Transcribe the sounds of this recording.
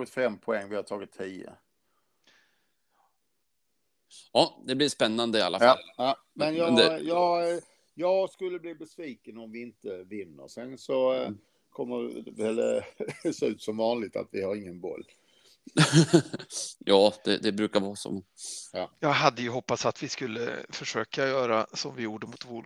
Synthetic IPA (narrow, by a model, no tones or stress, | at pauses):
ɡɪt̪fɛmpʰɔɛŋːvɪhat̪ʰɑːɡɪt̪ʰːiːə̰ | ɑːd̪ɛblɪʂpɛnːand̪əɪalːaflː | mɛnjɑd̪ɛjɑːɡ | jɑːɡskɵlːəbliːbɛsviːkənɔmvɪɪnt̪əvɪnːə̰ɾsɛnsɔ | kʰɔmːəɾvɛl | sʉ̟ːt̪sɔmvɑːnlɪɡ̚t̪ʰa̰t̪vɪhaɾɪŋːənbɔ̰lː | jɑːd̪̥ɛd̪ɛbɾʉ̟ːkaɾvɑːsɔ̰mɛnjɑːɡɦad̪ːəjɵɦɔpːasat̪vɪskɵlːə̰fœʂøːkajœːɾasɔmvɪjuːɖəmut̪voː